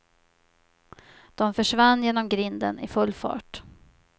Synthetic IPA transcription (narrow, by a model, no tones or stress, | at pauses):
d̪̥ɔmfœʂvanːjeːnɔmɡɾɪnd̪ə̰nɪfɵlːfɑ̰ːʈ